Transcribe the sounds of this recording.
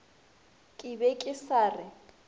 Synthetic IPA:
kʼɪbɛkʼɪsaːrɪ

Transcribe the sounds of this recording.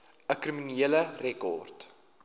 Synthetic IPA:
əkriminiələrɛkɔ̰rt

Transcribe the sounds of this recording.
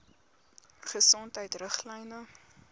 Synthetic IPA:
χəsɔntɦəjtrəχlɛjnə

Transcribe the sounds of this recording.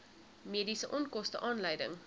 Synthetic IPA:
miədisəʔɔnkɔstəʔɑːnləjdə̰ŋ

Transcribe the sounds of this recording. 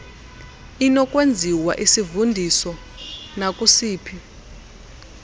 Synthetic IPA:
inɔkʼwend͡zʱiwa̰ʔisivundʱisɔ | nakʼusiːpʰi

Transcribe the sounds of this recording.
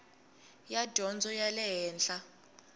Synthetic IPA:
jad̥ʱɔnd͡zʱɔjalɛɦɛːnɬʼa

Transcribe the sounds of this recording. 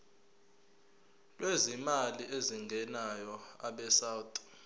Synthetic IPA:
lwezimaliʔeziŋɡʱɛnajɔa̰ɓɛsaːwtʼu̥

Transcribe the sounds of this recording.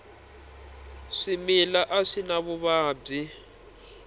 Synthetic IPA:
ʂimilaʔaʂinaβuβaːb͡ʐi

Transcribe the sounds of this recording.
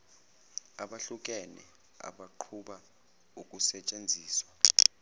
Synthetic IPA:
aɓaɬuk̬ʼɛnɛ̰ | a̰ɓaǃʰuɓa | ukʼusɛt͡ʃʼend͡zʱiːswa

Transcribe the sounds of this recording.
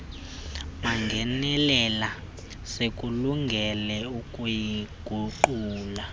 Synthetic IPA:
maŋɡʱɛnɛlɛla | sekʼuluŋɡʱɛlɛukʼujiɡ̥ʱuǃuːla

